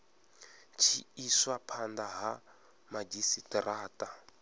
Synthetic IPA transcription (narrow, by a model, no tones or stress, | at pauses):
t͡ʃʰiiswapʰand̪aɦa | mad͡ʒisitraːta